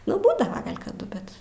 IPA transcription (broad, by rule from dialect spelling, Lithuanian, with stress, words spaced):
nʊ ˈbuːdɐʋɐ ˈɡɐlʲ kɐˈdʊ ˈbʲɛt